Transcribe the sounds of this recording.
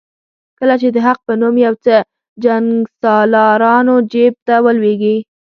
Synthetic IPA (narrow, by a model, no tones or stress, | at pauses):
kəlat͡ʃed̪əɦaq̚pənumjawt͡sə | d͡ʒaŋɡsɑlɑɾɑnod͡ʒeb̚t̪awəlweɡi